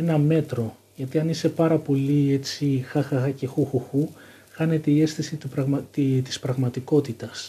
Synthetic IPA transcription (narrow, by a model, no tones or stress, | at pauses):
enɐme̞t̪ɾo̞ | ʝɐt̪iɐnise̞pɐɾɐpo̞lie̞t͡sixɐxɐxɐce̞xuxuxu | xɐne̞t̪e̞ie̞sθisit̪upɾɐɣmɐt̪t̪i̥spɾɐɣmɐt̪iko̞t̪it̪ɐs